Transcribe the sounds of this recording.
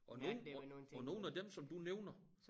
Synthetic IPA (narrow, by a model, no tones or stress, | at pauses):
ʔɒ̽noːnɒno̝ːn̩æd̥emsɒ̽md̥uneʊnɐ